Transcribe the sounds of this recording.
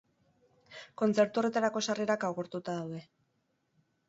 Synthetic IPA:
ko̞nt͡se̞ɾt̪uo̞re̞t̪aɾako̞sariɾakawɣeɾt̪ut̪aðawðe̞

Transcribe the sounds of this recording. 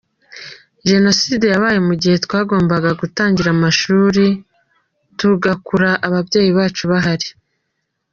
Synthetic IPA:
ʒe̞no̞siːde̞jaβaːjemuɟihe̞tkwaːɡo̞ːmbaɡaɡutaːɲɟiɾamaʃuːɾi | tuɡakuɾaʔaβabɟe̞ːjiβaːt͡ʃuβaɦaɾi

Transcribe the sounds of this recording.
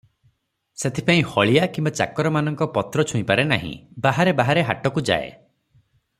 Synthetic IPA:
set̪ʰi̥paĩhɔɭijakimbat͡ʃa̰kɔɾɔmanɔŋkɔpɔt̪ɾɔt͡ʃʰuĩpaɾenaɦḭ̃baɦaɾebaɦaɾeɦaʈɔkud͡ʒa̰ḛ

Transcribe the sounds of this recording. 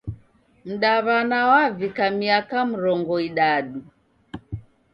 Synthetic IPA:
m̩ɗaβanawavikamiakam̩ɾɔŋɡɔiɗaɗu

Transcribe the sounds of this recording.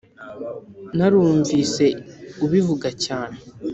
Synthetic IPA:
naɾuːɱvise̞uβivuɡacaːne̞

